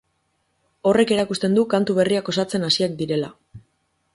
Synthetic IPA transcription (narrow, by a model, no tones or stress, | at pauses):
o̞re̞ke̞ɾakust̪e̞nd̪ukant̪uβ̞e̞riako̞sat͡se̞nasiakd̪iɾe̞la